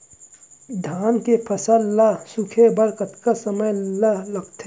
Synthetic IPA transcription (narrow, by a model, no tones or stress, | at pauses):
d̪ʱaːnkepʰɐsalːasʊkʰebɐɾkət̪kasɐməjlalɐɡt̪ʰe